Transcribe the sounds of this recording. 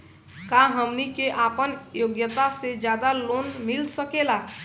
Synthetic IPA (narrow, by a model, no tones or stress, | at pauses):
kaɦəmnikeʔaːpənjoːɡjət̪ased͡ʒjaːd̪alonmilsəkela